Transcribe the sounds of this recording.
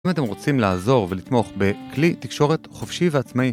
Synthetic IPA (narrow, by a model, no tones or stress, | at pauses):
mate̞mʁo̞t͡simlaːzo̞ʁve̞lit̪mo̞χbe̞klit̪ikʃo̞ʁe̞t̪χofʃiveat͡smai